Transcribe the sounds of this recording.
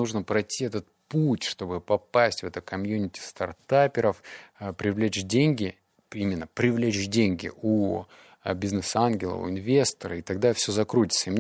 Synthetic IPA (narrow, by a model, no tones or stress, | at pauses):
uʐnəpɾɐtʲːiɛt̪ət̪̚putʲʂt̪o̞bɨpɐpasʲtʲvɛt̪əkɐmjunʲɪtʲɪ̥st̪ɐrt̪apʲɪɾəfpɾʲɪvlʲet͡ɕdʲenʲɡʲɪ | imʲɪnːəpɾʲɪvlʲet͡ɕdʲenʲɡʲɪ̰u | bʲɪznɨsanɡʲɪlˠə̰ʊ̰ɪnvʲe̞st̪əɾəit̪ɐɡ̚d̪afsʲɵzɐkɾutʲɪ̥t̪səimnʲ